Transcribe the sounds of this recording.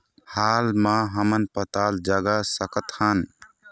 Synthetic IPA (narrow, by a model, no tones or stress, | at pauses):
halmãɦəmənpət̪ald͡ʒaɡasəkət̪hən